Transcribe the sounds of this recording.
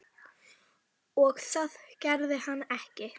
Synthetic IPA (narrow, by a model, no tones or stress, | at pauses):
ɔɣθaðcɛɾðɪhanːɛhcɪ